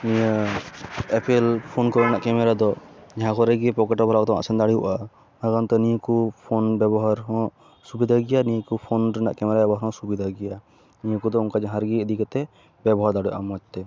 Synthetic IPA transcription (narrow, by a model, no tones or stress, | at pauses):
nijə | ɛpɛlpʰɔnkɔɾɛnaʔkɛmɛɾad̪ɔd͡ʒaɦãkɔɾɛɡipɔkɛʈɔbʱɔlakd̪ɔa̰sɛnd̪aɽḭʔa | naɡant̪ɔniəkupʰonbɛbɔɦaɾɦɔ̃ | subid̪ʱaɡɛjanikupʰonɾɛna̰ʔkɛmɛɾabɛbɔɦaɾɦɔ̃subid̪ʱaɡɛja | nijəkɔd̪ɔunkad͡ʒaɦaɾɡiɛd̪ikat̪ɛ | bɛbɔɦaɾd̪aɽiʔamɔt͡ʃ̚t̪ɛ